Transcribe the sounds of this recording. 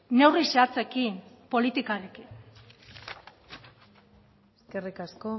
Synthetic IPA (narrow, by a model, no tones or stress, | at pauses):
ne̞wriseat͡se̞kinpo̞lit̪ikaɾekin | eske̞rikasko